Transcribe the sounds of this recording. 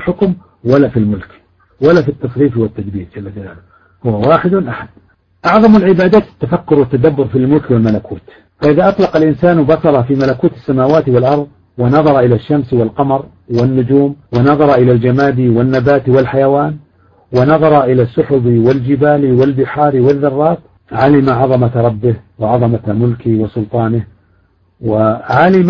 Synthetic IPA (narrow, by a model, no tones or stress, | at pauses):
ħʊkm | walafilmʊlk | walafit̪ːɑsˤɾiːfwɪt̪ːad̪biːɾd͡ʒalːad͡ʒala̰ːl | hʊwːawaːħɪd̪nʔaħad̪̥ | ʔɑʕðˤɑmalʕɪbaːd̪aːt̪ɪt̪ːafakːʊɾwɪt̪ːad̪abːʊɾfilmʊlkwɪlmalakuːt̪ | faʔɪðaʔɑt̪ˤlɑqalʔɪnsaːnwbɑsˤɑɾˤɑfimalakuːt̪ɪsːamaːwaːt̪wɪlʔɑɾˤðˤ | wɪnɑðˤɑɾˤɑʔɪlaʃːamswɪlqɑmɑɾˤ | wɪnːʊd͡ʒuːmwɪnɑðˤɑɾˤɑʔɪlald͡ʒamaːd̪iwɪnːabaːt̪wɪlħajawaːn | wɪnɑðˤɑɾˤɑʔɪlasːʊħʊbiwɪld͡ʒɪbaːliwɪlbɪħɑːɾiwɪðːɑrˤːɑːt̪ | ʕalɪmaʕɑðˤɑmaɾˤɑbːɪhwɪʕɑðˤɑmamʊlkɪwɪsʊlt̪ˤɑːnɪh | wɪʕalɪm